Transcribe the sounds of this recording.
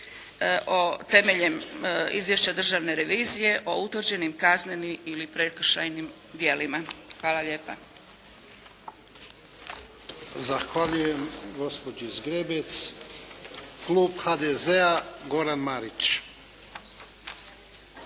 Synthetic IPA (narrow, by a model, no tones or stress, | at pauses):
ʔot̪e̞meʎemḭzʋje̞ʃt͡ɕad̪r̩ʒaʋne̞ɾe̞ʋiːzije̞ʔout̪ʋrd͡ʑe̞nimkaznenimilipɾekr̩ʃajnim | d̪je̞limaxʋaːlˠaʎe̞ːpa̰ | zaxʋaʎujemɡo̞spod͡ʒiizɡɾebet̪s | kluːbxad̪ezeaɡo̞ɾanmaɾit͡ʃ